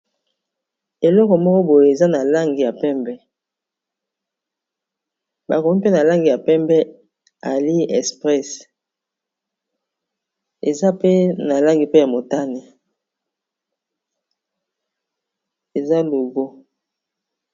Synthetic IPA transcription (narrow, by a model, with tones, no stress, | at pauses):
e˨lɔ˦kɔ˨mɔ˦kɔ˦bo˨je˨e˨za˦na˨la˦ŋɡi˨ja˨pɛ˦mbɛ˦ | ba˨ko˨mi˦pe˦na˨la˦ŋɡi˨ja˨pɛ˦mbɛ˦ | a˨li˦ɛ˨spʁɛ˦s | e˨za˦pe˦na˨la˦ŋɡi˨pe˦ja˨mo˨ta˦ni˨ | e˨za˦lo˨ɡo˦